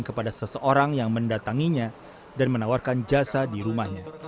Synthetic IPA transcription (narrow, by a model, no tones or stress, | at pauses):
nkəpadasəsəʔoɾaŋjaŋməndat̪aŋiɲa | danmənawarkand͡ʒasadiɾumahɲa